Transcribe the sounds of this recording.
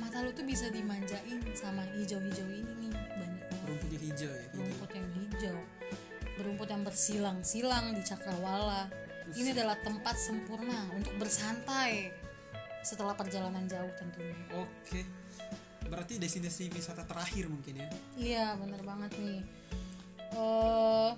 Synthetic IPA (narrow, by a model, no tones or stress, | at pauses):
mat̪alut̪ubisadimaɲd͡ʒaʔɪnsamaid͡ʒawhid͡ʒawininidanbəɾumpʊt̪ɲaid͡ʒawjabəɾumpʊt̪jaŋlid͡ʒaw | bəɾumpʊt̪jaŋbərsilaŋsilaŋdit͡ʃakalwalainiadalaht̪əmpat̪̚səmpurnaunt̪ʊk̚bərsant̪aj | sət̪əlahpərd͡ʒalanand͡ʒaʊht̪ənt̪uɲaokʰe | bəɾart̪idesinisipisat̪at̪əɾahɪrmuŋkɪnjaijabənərbaŋət̪̚ni | ə